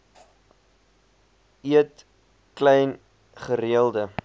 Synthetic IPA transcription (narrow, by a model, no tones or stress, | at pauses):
iət | klɛjn | χəɾiəlˠdə